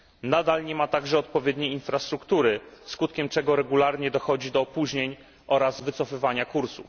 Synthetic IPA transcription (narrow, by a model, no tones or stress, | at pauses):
nad̪alɲɛmat̪aɡʐɛɔt̪pɔvʲjɛd̪ɲejinfɾast̪ɾukt̪uɾɘskut̪̚kʲɛmt͡ʂɛɡɔɾɛɡulaɾɲɛd̪ɔxɔd͡ʑid̪ɔːpuʑɲeɲ | ʔɔɾazvɘt̪sɔfɘvaɲakuɾsṵf